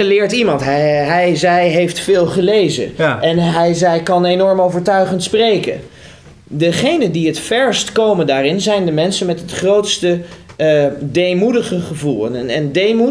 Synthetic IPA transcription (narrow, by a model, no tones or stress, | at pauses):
əlɪːɹtimɑntɦɛɦɛjzɛjɦejftfɪːlˠχəlejzə̰ʔɛnɦɛjzɛjkɑnejnɔɹmowvəɹtœɥχəntsprejkə̰n | dəχejnəndiɦətfɛɹstkowməndaːrɪnzɛjndəmɛnsənmɛtɦətχrowtstə | dejmudəχəχəvulˠəɛndejmu